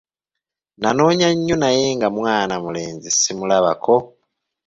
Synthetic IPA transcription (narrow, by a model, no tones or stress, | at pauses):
nano̞ːɲaɲːonaje̞ːŋɡamwaːnamule̞ːnzisimulaβa̰kʰo̞